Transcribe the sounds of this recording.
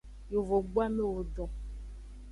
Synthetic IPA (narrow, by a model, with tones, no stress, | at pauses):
jo˨vo˨ɡ͡bwa˦me˦wo˨ɖɔ̃˨